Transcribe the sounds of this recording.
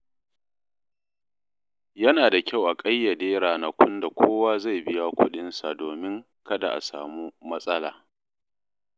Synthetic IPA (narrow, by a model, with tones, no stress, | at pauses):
jɐ˦naː˨da˨kʲa˦˨wʔa˨kʼɐ˦jːɐ˨deː˦ɾaː˨nɐ˨kʷʰʊ˦nda˨kʷʰoː˦waː˦za˦˨jbɪ˦ja˦kʷʊ˦ɗɪ˦nsa˨doː˨mɪ˦ŋ | kɐ˦da˨ʔa̰˨saː˨muː˦mɐ˦sʼɐ˦la̰ː˨